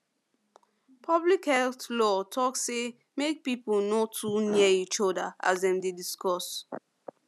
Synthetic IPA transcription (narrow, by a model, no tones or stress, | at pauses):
pʰɔblikhɛltlɔtʰɔkse | mek̚pipulnotʰuniɛit͡ʃɔdaʔa̰sdɛ̃mdediskɔs